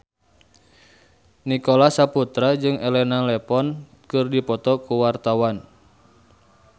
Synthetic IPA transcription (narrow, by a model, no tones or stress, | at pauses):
nikɔlasaput̪ɾad͡ʒɨŋɛlɛnalɛpɔn | kɨrdipɔt̪ɔkuwart̪awan